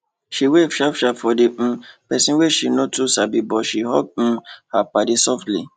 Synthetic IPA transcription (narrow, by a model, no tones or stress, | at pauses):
ʃiwefiafafɔdẽpɛsĩweʃinõtusabibɔʃiɦɔ̰ɡ̩̃̚hapadesɔftlḭ